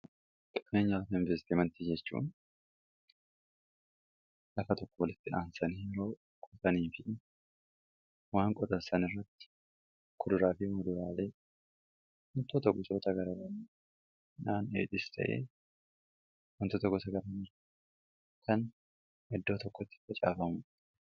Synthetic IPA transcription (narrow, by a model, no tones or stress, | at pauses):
k̪ʼɪ̥kneːɲːɐlɐfɐɪnvɛɾst̪imɐnt̪id͡ʒɛt͡ʃːṵːn | lɐfɐt̪ɔkːɔwɔlɪt̪ːɪᶑaːnsɐniːɛɾoː | kʼʊt̪ɐniːfɪ | waːŋkʼɔt̪ʼɐsɐnɪrːɐt̪ːɪ̥ | kʰʊd̪ʊɾaːfɪmʊd̪ʊɾaːle̞ː | wɔnt̪oːt̪ɐɡʊsoːt̪ɐɡɐɾɐbɐn | naːnḛːᶑ̪ʼɪst̪ʰɐ̰ʔḛː | wɔnt̪oːt̪ɐɡʊsɐɡɐɾɐn | kʰɐn | ʔɪd̪ːo̞ːt̪ɔkːɔt̪ːɪ̥fɐt͡ʃʼa̰ːfɐmʊ